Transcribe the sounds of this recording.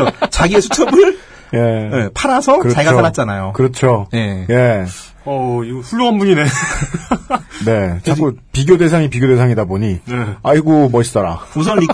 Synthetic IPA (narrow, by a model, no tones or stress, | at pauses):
ot͡ɕaɡie̞sʰut͡ɕʰʌbɯɭ | je̞jepʰaɾasʰʌkɯɾʌaiɡaoaɾatt͡ɕ͈anajokɯɾʌt͡ɕʰojeje̞ | ʌiɡɸuɭːoɦanbuŋine | ne̞t͡ɕʰakk͈upiɡjode̞sʰaŋipiɡjode̞sʰaŋidaboɲiaiɡomʌɕʰi̥s͈ʌɾa̰usʰʌnːi